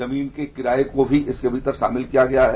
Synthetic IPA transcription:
ɐmiːnkekɪɾaːekobʱiʔɪskeɐbʱit̪əɾʃa̰ːmɪlkijaɡɐjaɦɛ

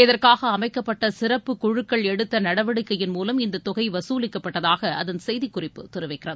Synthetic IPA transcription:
ɪðɐrkaːɣɐːmɐɪkːɐpːɐʈːɐsɪrɐpːɯkʊɻɯkːɐɭɛɽɯt̪ːɐnɐɽɐʋɐɽɯkːɐjɪnmuːlɐmɪnd̪ɐt̪ːɔɣɐɪʋɐsuːlɪkːɐpːɐʈːɐðaːɣɐɐðɐnsɛjðikːʊrɪpːɯ̰t̪ɪɾɯʋɐɪkːɪrɐðɯ

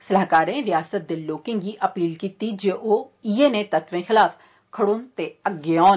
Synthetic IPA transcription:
səlaːkaːɾẽːɾɪjaːsət̪̚d̪eːloːkɪ̃ŋɡiːʔəpiːlkiːt̪iːd͡ʒeʔoːiːeːneːt̪ət̪ʋẽːxɪlaːf | kʰəɽõːnt̪eːəɡːeɔːn

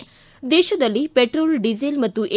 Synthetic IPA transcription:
d̪eɕod̪əlipeʈɾolɖid͡zelmət̪ːũʔe

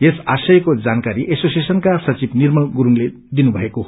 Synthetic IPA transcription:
jesasʌjkod͡zankaɾiʔesosiesʌnkasʌt͡sibnirmʌlɡuɾuŋle | d̪inubʱʌeko

